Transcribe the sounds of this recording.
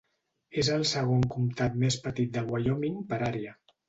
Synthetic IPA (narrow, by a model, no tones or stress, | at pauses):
ezəlˠsəɣ̞oŋkumt̪at̪mespət̪it̪̚d̪əlɣwaʎomiŋpəɾaɾiə